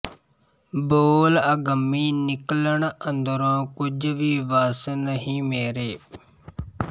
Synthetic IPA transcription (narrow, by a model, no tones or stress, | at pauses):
boːləɡəmːiːnɪkləɳə̃nd̪əɾõːkʊd͡ʒʋiːʋaːsnəɦĩːmeːɾeː